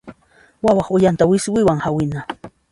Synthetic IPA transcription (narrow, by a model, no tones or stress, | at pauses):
wawɑχʊjant̪awɪswɪwaŋhawɪna